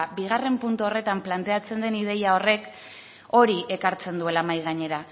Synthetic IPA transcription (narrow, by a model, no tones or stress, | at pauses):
biɣ̞are̞mpunt̪uo̞re̞t̪amplant̪e̞at͡se̞nd̪e̞nið̞e̞jao̞re̞k | o̞ɾiʔe̞kaɾt͡se̞nd̪ue̞lamajɣ̞aɲe̞ɾa